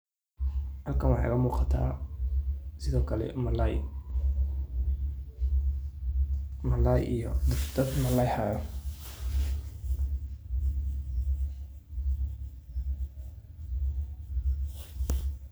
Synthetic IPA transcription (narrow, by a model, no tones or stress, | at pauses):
hɐlkʰɐnwɑħɑ̰ɣɐmuːqɑt̪ʰa̰ː | sɪðɔːkʰɐlɛ̰mɐlaj | mɐlajʔijɔd̪d̪ɐd̪mɐlajħa